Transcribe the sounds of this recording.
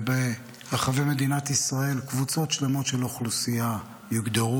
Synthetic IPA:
be | ʁaχaveme̞d̪inat̪isʁae̞lkvut͡so̞tʃlemo̞tʃeloχlusija | jiɡd̪aʁu

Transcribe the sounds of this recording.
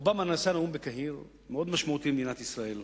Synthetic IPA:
ubamanasanaumbekaɦiʁ | meo̞d̪maʃmaut̪imed̪inat̪isʁael

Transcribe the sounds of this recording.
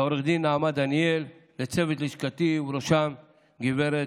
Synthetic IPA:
oɾeχd̪inːaamad̪anielː | et͡sevet̪liʃkat̪ivɾoʃam | ɡiveɾe

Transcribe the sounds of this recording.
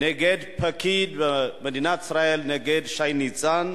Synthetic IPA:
neɡed̪pʰakid̪amad̪inat̪i̥sɾaelneɡed̪ʃajnit͡san

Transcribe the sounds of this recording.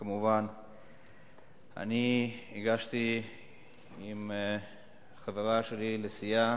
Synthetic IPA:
kamuvan | a̰niiɡaʃt̪i | im | χeveʁaʃelilesija

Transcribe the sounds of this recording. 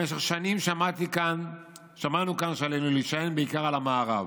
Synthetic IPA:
eʃe̞χʃanimʃamat̪ikan | ʃamanukanʃealejnuliʃajenbeikaʁalamaːʁa̰v

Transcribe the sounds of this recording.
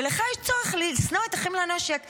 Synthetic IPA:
eleχajɛʃt͡soʁeχlisnoet̪aχimlanaʃjak

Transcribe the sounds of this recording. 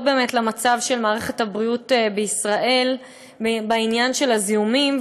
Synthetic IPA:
be̞ːmetlamat͡savʃe̞lmaːʁe̞χethabʁiutebeisʁaʔe̞l | bainjanʃe̞laziumim

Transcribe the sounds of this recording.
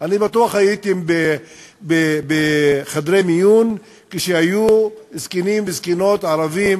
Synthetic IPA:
anibat̪uaχajit̪ibe | bebeχad̪ɾemijun | kiʃehajuzkinimbizkinot̪ʕaɾavim

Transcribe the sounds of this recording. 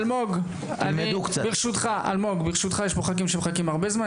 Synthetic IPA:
lmoɡ | a̰nmiukbeʁʃut̪χaʔa̰lmo̞ɡbeʁʃut̪χajeɛʃpoχak̬imʃemχakimaʁbezma

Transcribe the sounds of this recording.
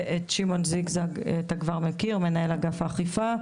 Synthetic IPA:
ʔetʃimo̞nziɡzaɡtaɡvaʁmekiʁme̞naelaɡafaːχifa

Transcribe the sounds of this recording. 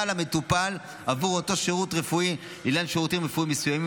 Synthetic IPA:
alamet̪upal | avuʁoto̞ʃeʁutʁefui | ilanʃeʁutimʁefuimːesujami

